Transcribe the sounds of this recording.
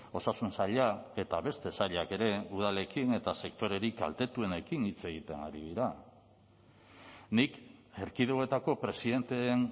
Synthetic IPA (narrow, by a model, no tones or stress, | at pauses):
o̞sasunsaʎae̞t̪aβe̞st̪e̞saʎake̞ɾe̞uð̞ale̞kine̞t̪ase̞kt̪o̞ɾe̞ɾika̰lt̪e̞t̪ue̞ne̞kinit͡se̞ɣit̪e̞naɾiðiɾa | nikeɾkiðeoe̞t̪ako̞pɾe̞siðe̞nt̪e̞n